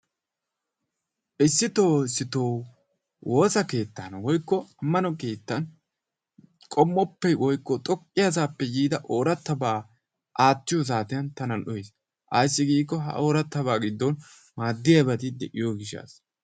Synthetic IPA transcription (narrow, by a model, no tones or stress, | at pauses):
ʔɪsːɪt̪o̞ːɪsːɪt̪oː | wʔo̞ːsɐke̞ːt̪ːɐnwɔjkːɔɐmːɐnɔke̞ːt̪ːɐn | kʼɔmːɔpːɛwʔɔjkːɔt̪ʼɔkʼːɪjazaːpːɛjiːd̪ɐʔo̞ːɾɐt̪ːɐbaː | ʔaːt͡ʃːɪjɔs̬aːt̪ɪjɐnt̪ɐnɐnʔɔjes | ʔɐjsːɪɡiːkːɔɦɐ̰ʔo̞ːɾɐt̪ːɐβaːɡɪd̪ːɔn | maːd̪ːɪjɐbɐt̪ɪd̪ɛʔɪjoːɡɪʃːa̰ːs